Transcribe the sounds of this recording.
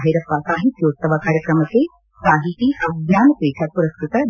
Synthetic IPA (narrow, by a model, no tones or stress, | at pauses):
ɦiɾɐpːaːsaːɦit̪ːjoːt̪ːɐʋaːkaːɾjɐkɾɐmɐke | saːɦit̪iʔɐwɡjaːnɐp̪eːkʰapuɾɐst̪ut̪ɐ